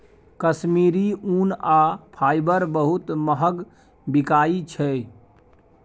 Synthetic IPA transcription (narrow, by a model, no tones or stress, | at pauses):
kəsmiɾiunapʰaːjbəɾbəɦut̪məɦəɡ | bikaːit͡ʃʰɛ